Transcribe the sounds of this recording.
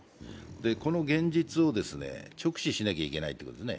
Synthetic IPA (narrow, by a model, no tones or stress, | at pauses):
d̪e̞ko̞no̞ɡẽ̞ɲd͡ʑit͡sɨo̞d̪e̞sɨne̞̰t͡ɕo̞kɯ̟̥ɕiɕinakʲaikʲe̞na̰it̪ːeikot̪osɨnḛ